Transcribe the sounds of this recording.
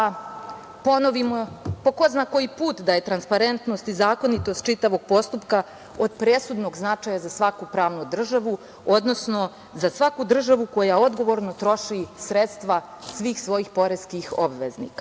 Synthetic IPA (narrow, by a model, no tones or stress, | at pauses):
po̞no̞ʋimopo̞ko̞znako̞jipuːt̪d̪aje̞t̪ɾanspaɾe̞nt̪no̞st̪izaːko̞nit̪o̞st̪̚t͡ʃit̪aʋo̞ɡ̥̚po̞st̪upka | o̞d̪pɾe̞sud̪no̞ɡznat͡ʃaːjazasʋakupɾaːʋnud̪r̩ʒaʋu | o̞d̪no̞sno̞ | zasʋakud̪r̩ʒaʋuko̞jao̞d̪ɡo̞ʋo̞ɾno̞t̪ɾo̞ʃisɾet̪st̪ʋa | sʋiːxsʋo̞jixpo̞ɾeskixobʋeznḭːka